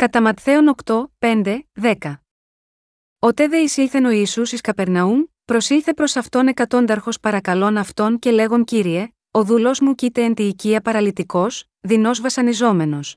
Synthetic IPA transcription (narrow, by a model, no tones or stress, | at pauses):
kɐt̪ɐmɐt̪θe̞o̞no̞kt̪o̞pe̞nd̪e̞ðe̞kɐ | ot̪e̞ðe̞isiθe̞no̞isusiskɐpe̞ɾnɐum | pɾo̞siθe̞pɾo̞sɐft̪o̞ne̞kɐt̪o̞nd̪ɐɾxo̞spɐɾɐkɐlo̞nɐft̪o̞nce̞le̞ɣo̞nciɾie̞ | o̞ðulo̞zmucit̪e̞ːnt̪iːciɐpɐɾɐlit̪iko̞s | ðino̞zvɐsɐnizo̞me̞no̞s